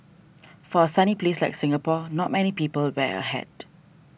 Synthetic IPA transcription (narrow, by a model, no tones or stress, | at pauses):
fɔəsaniplesla̰ɪjksɪ̃ŋəpɔnɔt̚mɛnipiːpəlwɛə̰hɛ̰d̥